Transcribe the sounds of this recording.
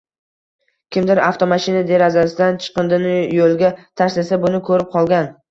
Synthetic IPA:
kʲʰɪmd̪ɪɾaft̪ʰomaʃɪnad̪e̞ɾazasɪd̪ant͡ʃʰɨ̥qɨnd̪ɪnɪjolˠɡʲat̪ʰaɾslasabʊnɪkʰɵɾɪp̚qʰɒlˠɡʲan

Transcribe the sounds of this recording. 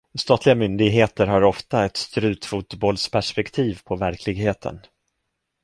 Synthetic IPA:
st̪ɑːt̪lɪɡamʏnd̪ɪɡɦeːt̪əɾɦaɾɔft̪aɛt̪st̪ɾʉ̟ːt̪fuːt̪bɔlspʰæʂpɛkt̪ʰiːvpʰɔvæɾkʰlɪɡɦeːt̪ʰə̰n

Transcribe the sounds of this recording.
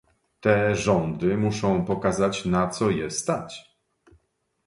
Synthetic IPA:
t̪ɛʐɔnd̪ɘmuʂɔ̃w̃pɔkazat͡ɕnat̪sɔjɛst̪at͡ɕ

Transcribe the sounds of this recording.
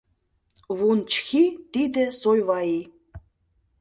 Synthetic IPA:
βunt͡ɕxit̪id̪ɘ̆sojβɑi

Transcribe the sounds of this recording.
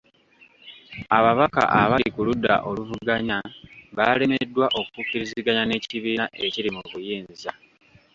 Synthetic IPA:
aβaβaka̰ʔa̰βaikuludːa̰ʔo̞luvuɡaɲaβale̞me̞dːwaʔo̞kukuciɾiziɡaɲane̞ciβiːnaʔe̞ciɾimuβujiːnza

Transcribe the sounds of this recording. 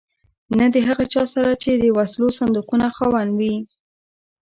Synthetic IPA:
nad̪əɦaɣat͡ʃɑsaɾat͡ʃed̪əwaslosand̪uqunaxɑwanwi

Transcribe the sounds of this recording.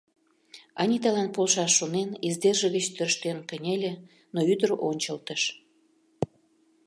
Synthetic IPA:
ɑnʲit̪ɑlɑnpolʃɑʃːonenezd̪erʒə̆ɣət͡ɕt̪ørʃt̪enkə̆nʲelʲe | noyd̪əɾonʲt͡ɕəlt̪əʃ

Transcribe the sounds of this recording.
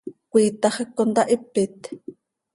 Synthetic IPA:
kʷiːt̪ɑχekːond̪ɑʔipːɪt̪

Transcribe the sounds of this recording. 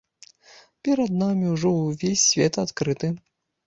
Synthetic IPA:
pʲɛɾɐd̪namʲiwʐɔwvʲesʲːvʲɛt̪at̪kɾɨt̪ɨ

